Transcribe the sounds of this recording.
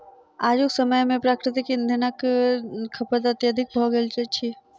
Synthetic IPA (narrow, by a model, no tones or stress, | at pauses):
aːd͡ʒʊksəməjmẽpɾaːkɾɪt̪ɪkɐnd̪ʱɪnək | kʰːɐpət̪̬ɐt̪jəd̪ʱɪk̚bʱɔːɡɐlt͡ʃeʃʰi